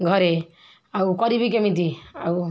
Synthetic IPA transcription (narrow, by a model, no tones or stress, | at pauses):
ɡʱɔɾe | awkɔɾibik̬emit̪iaw